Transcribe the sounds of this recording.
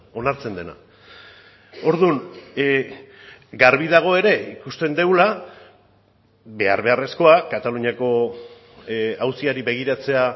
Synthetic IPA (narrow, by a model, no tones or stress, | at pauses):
o̞naɾt͡se̞nd̪e̞na̰ | o̞ɾðun | ɡaɾβiðaɣ̞o̞e̞ɾe̞ikust̪e̞nd̪e̞wla | be̞aɾβe̞are̞sko̞akat̪aluɲiako̞ | awsiaɾiβe̞ɣ̞iɾat͡se̞a